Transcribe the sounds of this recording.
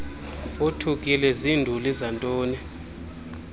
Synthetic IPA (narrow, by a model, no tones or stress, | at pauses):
otʰukʼilɛzindʱulizantʼɔːnɛ